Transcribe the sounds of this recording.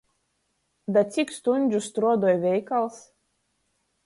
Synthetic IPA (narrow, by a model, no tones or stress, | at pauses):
d̪at̪sʲikst̪unʲd͡ʒʲust̪ɾuɔd̪ɔːjvʲɛjkalˠs